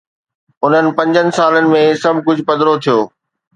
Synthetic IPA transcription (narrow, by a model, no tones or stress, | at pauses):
ʊn̤ənɪ̆pɐ̃ɲd͡ʑənɪ̆saːlənɪ̆mẽsɐbʱkʊd͡ʑʱʊ̆pɐd̪ɾot̪ʰijoː